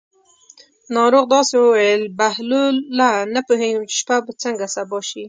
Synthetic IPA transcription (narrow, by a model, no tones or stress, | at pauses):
nɑɾoɣd̪ɑsewəwajəlbahluːanapuɦenumt͡ʃɪ̥ʃpabət͡səŋɡasabɑʃi